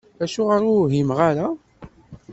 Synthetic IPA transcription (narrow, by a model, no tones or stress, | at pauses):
æʃuʁəɾʊɦimʁaɾa